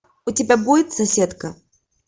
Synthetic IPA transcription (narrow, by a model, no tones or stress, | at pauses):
ʊtʲɪbʲabudʲɪt̪sɐsʲet̪kə